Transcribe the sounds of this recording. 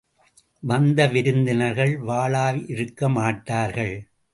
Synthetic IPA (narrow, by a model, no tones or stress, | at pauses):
ʋɐnd̪ɐʋɪɾɯnd̪ɪnɐɾɣɐɭʋaːɭaːʋʔɪɾɯkːɐmaːʈːaːɾɣɐɭ